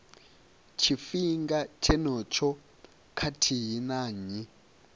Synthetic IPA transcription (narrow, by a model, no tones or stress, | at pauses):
t͡ʃʰifiŋɡat͡ʃʰɛnɔt͡ʃʰɔ | kʰatʰiɦinaːɲi